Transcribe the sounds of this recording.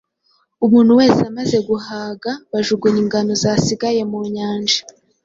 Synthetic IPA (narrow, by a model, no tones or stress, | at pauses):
umuːn̥huwe̞ːseamaze̞ɡuhaːɡaβaʒuɡuɲiŋɡano̞zasiɡaje̞muɲaːnd͡ʒa